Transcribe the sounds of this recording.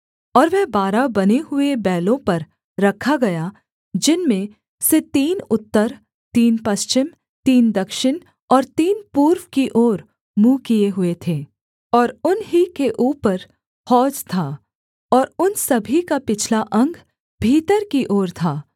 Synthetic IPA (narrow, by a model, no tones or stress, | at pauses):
ɔːɾʋɛɦbaːɾabɐneɦʊebɛːlõpɐɾː | ɐkʰaɡɐja | d͡ʒɪnmẽ | set̪iːnʊt̪ːəɾ | t̪iːnpɐst͡ʃɪm | t̪iːnd̪ɐkʃɪn | ɔːɾt̪iːnpuːɾʋkiʔoːɾ | mũːkijeɦʊet̪ʰeː | ɔːɾʊnɦikeʔuːpəɾ | hɔːd͡ʒt̪ʰaː | ɔːɾʊnsɐbʱikapɪt͡ʃʰlaʔɐ̃ŋɡ | bʱiːt̪əɾkiʔoːɾt̪ʰaː